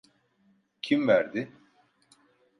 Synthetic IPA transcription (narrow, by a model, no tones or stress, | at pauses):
cʰimvæɾd̪ɪ